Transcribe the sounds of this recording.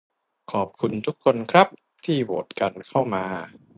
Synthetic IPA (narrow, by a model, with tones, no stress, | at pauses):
kʰɔː˨˩p̚kʰu˧nt̪ʰu˦˥kʰːo˧nkʰɾa˦˥p̚ | t̪ʰiː˥˩wo̰ː˨˩t̪̚ka˧nkʰa˥˩wmaː˧